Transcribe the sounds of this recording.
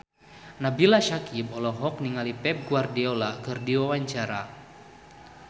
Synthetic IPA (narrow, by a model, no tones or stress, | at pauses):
nabilaʃakibɔlɔɦɔkniŋalipɛp̚ɡuardiɔlakɨrdiwawaɲt͡ʃaɾa